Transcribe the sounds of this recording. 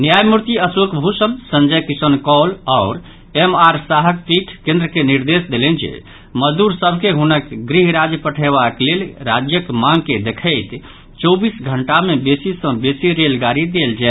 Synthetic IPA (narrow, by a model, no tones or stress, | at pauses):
njajmuɾt̪iəsukbʱusəmsə̃nd͡ʒəjkisənkɔlɔʊɾ | emaɾsaɦək̚t̪iʈʰkẽnd̪ɾəkeniɾd̪esd̪elɛnd͡ʒḛ | məd̪uɾsəbʱkeɦunəkɡɾiɦɾad͡ʒjəpəʈʰeβaklelɾad͡ʒjəkmãŋɡked̪ekʰəɪt̪ | t͡ʃɔbisɡʱəɳʈamebesisə̃besiɾelɡaɾid̪eld͡ʒɛɛ